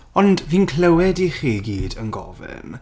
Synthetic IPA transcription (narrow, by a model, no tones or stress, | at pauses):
ɔndviːnkʰləwɛdiχiːɡiːdənɡɔ̰vɛ̰m